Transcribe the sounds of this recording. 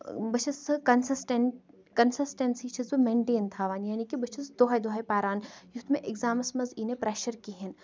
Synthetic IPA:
bɐt͡ʃʰɐskɐnsɐsʈeɳ | kɐnsɨsʈɐnsit͡ʃʰizbɨmẽːɳʈeːnt̪ʰaːʋaːnjaːnikibɐt͡ʃʰisd̪oɦɐjd̪oɦɐjpaːɾaːnjut̪mẽʔɪɡzaːmɐsmɐziːnepɾeʃɐɾkiɦin

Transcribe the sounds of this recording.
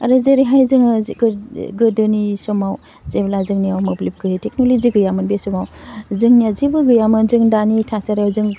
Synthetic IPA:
aɾɯzeɾiɦajzɯŋɡɡɯdɯnisɔmaw | zeblazɯŋnijawmɯblip̚ɡɯjetek̚noloziɡɯjamɯnbesɔmawzɯŋnijawzibɯɡɯjamɯnzɯŋdanitʰasaɾajawzɯŋ

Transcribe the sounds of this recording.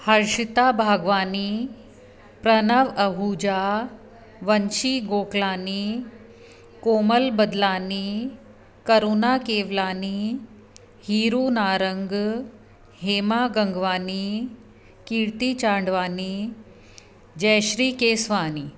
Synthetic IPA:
həɾʂit̪abʱaːɡʋaːniː | pɾənəʋəɦuːd͡ʑa | ʋənʃiːɡoːklaːni | koːməlbəd̪laːniː | kəɾunakeːʋlaːniː | hiːɾuːnaːɾəŋɡ | ɦeːmaɡəŋɡʋaːni | kiːɾt̪iːt͡ɕaːɳɖʋaːni | d͡ʑəjɕɾiːkesʋaːni

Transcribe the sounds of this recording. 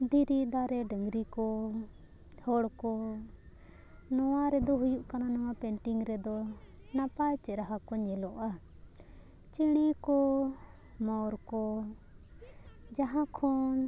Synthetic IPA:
d̪ʱiɾid̪aɾɛɖəŋɡɾikɔ | hɔɽkɔ | nɔwaɾɛd̪ɔɦujuʔkananɔwapɛɳʈiŋɡɾɛd̪ɔ | napajt͡ʃɛɾaɦakɔɲɛlɔʔa | t͡ʃiɽ̃ikɔ | mɔɾkɔ | d͡ʒaɦãkʰɔn

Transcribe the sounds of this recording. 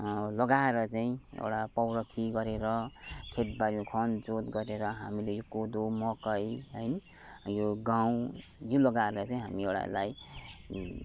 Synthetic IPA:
lʌɡaeɾʌt͡saĩḛwɽapʌwɾʌkʰiɡʌɾeɾʌkʰet̪̚baɾimokʰʌnd͡zot̪ɡʌɾeɾʌɦamilejokod̪omʌkʌjɦʌjnʌ | joɡaw̃jolʌɡaeɾʌt͡saĩɦamiewɽa̰laj

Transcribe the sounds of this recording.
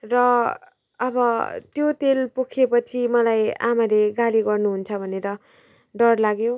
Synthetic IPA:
rʌː | bʌt̪jot̪elpokʰepʌt͡sʰimʌlaja̰maleɡaliɡʌrnuɦunt͡sʰʌbʱʌneɾʌ | ɖʌrlaɡjo

